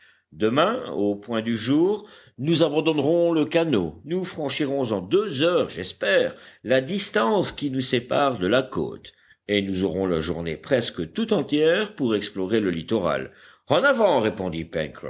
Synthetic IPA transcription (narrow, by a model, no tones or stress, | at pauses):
d̪əmɛ̃opwɛ̃d̪yʒuːʁ | nuzabɑ̃d̪ɔnʁɔ̃ləkano̰nufχɑ̃ʃiʁɔ̃zɑ̃d̪øzœːʁʒɛspɛːʁlad̪ist̪ɑ̃skʲinusepaʁd̪əlako̰ːt̪ | enuzɔʁɔ̃la̰ʒṵʁnḛpχɛskət̪ut̪ɑ̃t̪jɛʁpuʁɛksplɔʁeləlit̪ɔʁa̰l | ɑ̃navɑ̃ʁepɔ̃d̪ipɛ̰nkʁɔ̰f